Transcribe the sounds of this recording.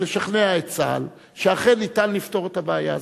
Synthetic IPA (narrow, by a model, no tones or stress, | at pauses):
eʃaχneaet͡sa̰l | ʃeaχenːitanːifto̞ʁetabeaja